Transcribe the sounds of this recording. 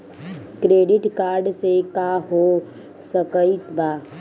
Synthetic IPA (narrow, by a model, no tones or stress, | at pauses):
kɾeːɖɪʈkaːɾɖsekaɦo | səkəit̪baː